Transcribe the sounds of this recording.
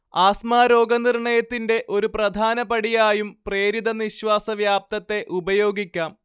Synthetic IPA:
aːsmaːɾo̞ːɡɐniɾɳɐjɐt̪ːinde̞ʔo̞ɾuprɐd̪ʱaːnɐpɐɽijaːjumpre̞ːɾid̪ɐniɕʋaːsɐʋjaːp̚t̪ɐt̪ːe̞ʔubɐjo̞ːɡikʲːaːm

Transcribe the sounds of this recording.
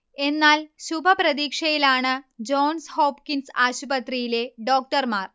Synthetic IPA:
e̞nːaːlɕubʱɐpɾɐd̪iːkʂɐjilaːɳɨd͡ʑoːnshoːpkinsaːɕubɐt̪rijileɖoːk̚ʈɐrmaːr

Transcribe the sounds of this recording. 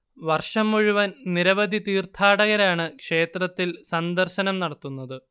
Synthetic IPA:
ʋɐrʂɐmːuɻuʋɐnniɾɐʋɐd̪ʱit̪iːrt̪ʰaːɽɐɣɐɾaːɳɨkʂe̞ːt̪rɐt̪ːilsɐnd̪ɐrɕɐnɐmnɐɽɐt̪ːunːɐðɨ

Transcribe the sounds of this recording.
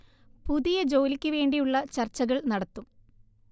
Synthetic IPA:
puðijɐd͡ʑo̞ːlikʲːɨʋe̞ːɳɖijuɭːɐt͡ɕɐrt͡ɕːɐɣɐɭnɐɽɐt̪ːum

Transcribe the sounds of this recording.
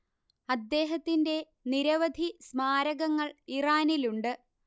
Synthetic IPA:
ɐd̪ːe̞ːɦɐt̪ːinde̞ | niɾɐʋɐd̪ʱismaːɾɐɣɐŋːɐɭiraːniluɳɖɨ

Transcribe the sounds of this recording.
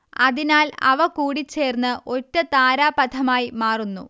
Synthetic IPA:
ɐðinaːlɐ̰ʋɐkuːɽit͡ɕːe̞ːrnːɨʔotːɐt̪aːɾaːpɐd̪ʰɐmaːjimaːrunːṵ

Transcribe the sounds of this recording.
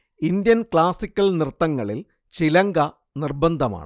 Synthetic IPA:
ind̪jɐnkɭaːsikʲːɐɭnirt̪ːɐŋːɐɭil | t͡ɕilɐŋɡɐ | nirbɐnd̪ʱɐma̰ːɳɨ

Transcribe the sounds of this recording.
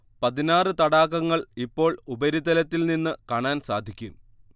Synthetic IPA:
pɐðinaːrɨt̪ɐɽaːɣɐŋːɐɭipːo̞ːɭubɐɾid̪ɐlɐt̪ːilninːɨkaːɳaːnsaːd̪ʱikʲːum

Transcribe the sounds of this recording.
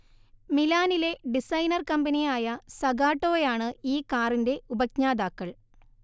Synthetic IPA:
milaːnile̞ɖisɐjnɐrkɐmbɐnijaːjɐsɐɡaːʈːo̞ːjaːɳɨiːkaːrinde̞ubɐkɲaːd̪aːkːɐɭ

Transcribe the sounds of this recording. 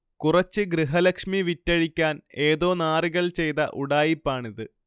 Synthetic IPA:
kurɐt͡ɕːɨɡrɨɦɐlɐkʂmiʋitːɐɻikʲːaːne̞ːðo̞ːnaːriɣɐɭt͡ɕe̞jt̪ɐ̰ʔuɽaːjipːaːɳiðɨ

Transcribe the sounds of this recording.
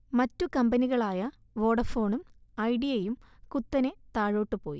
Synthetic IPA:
mɐtːukɐmbɐniɣɐɭaːjɐ | ʋo̞ːɽɐfo̞ːɳumɐjɖijejumkut̪ːɐnet̪aːɻo̞ːʈːɨpo̞ːjḭ

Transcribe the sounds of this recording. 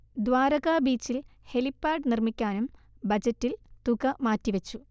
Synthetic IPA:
d̪ʋaːɾɐɣaːbiːt͡ɕːilhe̞lipːaːɖnirmikʲːaːnum | bɐd͡ʑɐtːilt̪uɣɐmaːtːiʋɐt͡ɕːu

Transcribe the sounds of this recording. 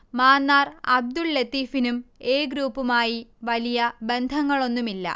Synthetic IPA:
maːnːaːrɐ̰b̚d̪ulːet̪ːiːfinume̞ːɡɾuːpːumaːjiʋɐlijɐbe̞nd̪ʱɐŋːɐɭo̞nːumilːɐ̰

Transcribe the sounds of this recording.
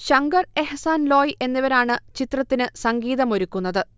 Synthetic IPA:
ɕɐŋɡɐre̞hsaːnlo̞ːjʔe̞nːiʋɐɾaːɳɨt͡ɕit̪rɐt̪ːinɨsɐŋɡiːðɐmo̞ɾukːunːɐðɨ

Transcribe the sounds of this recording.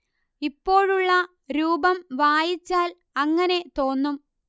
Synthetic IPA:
ipːo̞ːɻuɭːɐ | ɾuːbɐmʋaːjit͡ɕːaːl | ɐŋːɐne̞t̪o̞ːnːum

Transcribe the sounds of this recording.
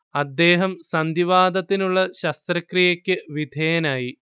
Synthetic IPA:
ɐd̪ːe̞ːɦɐmsɐnd̪iʋaːd̪ɐt̪ːinuɭːɐɕɐst̪rɐkrijɐkʲːɨʋid̪ʱejɐnaːji

